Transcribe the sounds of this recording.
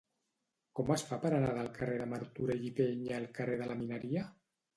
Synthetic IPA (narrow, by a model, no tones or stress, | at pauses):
kɔmasfapəɾanaðalˠkareðamaɾt̪uɾeʎipeɲaːlˠkareðəlaminəɾia